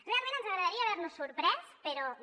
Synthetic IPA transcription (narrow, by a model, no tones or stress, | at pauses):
realˠmẽnənzəɣɾəðaɾiaːβɛɾnusːuɾpɾɛspəɾɔ